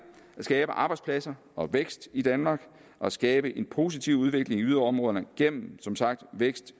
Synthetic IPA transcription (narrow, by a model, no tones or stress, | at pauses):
æsɡ̥ɛːb̥əʔɑ̈b̥ɑɪ̥spʰlæsɐ | ɒ̽ʋeɡ̥sd̥id̥ænmɑ̈ːɡ̥ | ɒ̽æsɡ̥ɛːb̥əʔe̝npʰo̝s̬it͡sʰiʊuð̞ˠʋe̝ɡ̥le̝ŋiyð̞ˠɐɒ̽mʁɔð̞ˠɐnəɡ̥en̰m̩sɒ̽msɑ̈ɡ̥̚d̥ʋeɡ̥sd̥